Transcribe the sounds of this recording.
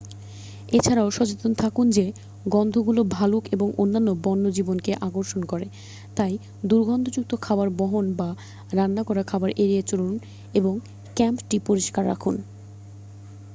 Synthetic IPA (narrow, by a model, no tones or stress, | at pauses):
et͡ɕʰaɾaoʃɔt͡ɕet̪ont̪ʰakund͡ʑe | ɡɔnd̪ʱoɡulobʱalukeboŋonːanːobɔnːod͡ʑibonkeʔaɡoɾʃonkɔɾe | t̪aj | d̪uɾɡʱɔnd̪ʱod͡ʑuk̚t̪okʰabaɾbɔɦonba | ɾanːakɔɾakʰabaɾʔeɾiet͡ɕolun | eboŋ | kɛmpʈipoɾiʃkaɾːa̰kʰun